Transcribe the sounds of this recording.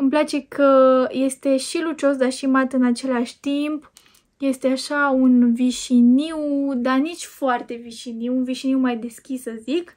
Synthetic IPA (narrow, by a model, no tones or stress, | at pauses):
ɨmplat͡ʃe̞kʰəje̞st̪e̞ʃilut͡ʃo̞sd̪aʃimat̪ɨnat͡ʃe̞laʃʲt̪imp | je̞st̪eaʃaunviʃiniwd̪anit͡ʃʲfoart̪e̞viʃiniwunviʃiniwmajd̪e̞skʲisəzik